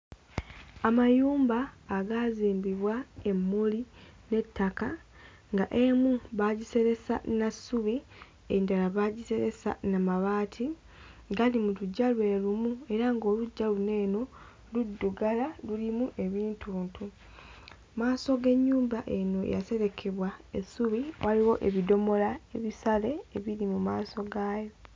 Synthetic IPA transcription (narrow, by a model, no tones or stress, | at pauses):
amajuːmbaːɡaziːmbiβwae̞mːuline̞tːaka | ŋɡaʔe̞muβaːɟise̞ɾe̞sa̰nasːuβi | endalaβaɟise̞ɾe̞sa̰namaβaːtʰi | ɡalimuluɟːalwe̞ːlumue̞ɾaŋɡo̞luɟːalune̞ːno̞ | ludːuɡalalulimuʔe̞βiːntʰuːntʰu | maːso̞ɡe̞ɲːuːmbaʔe̞no̞ḛja̰se̞ɾe̞kʰe̞βwaesːuβiwaliwo̞ʔḛβido̞mo̞lae̞βisale̞ːβiɾimumaːso̞ɡaːjo̞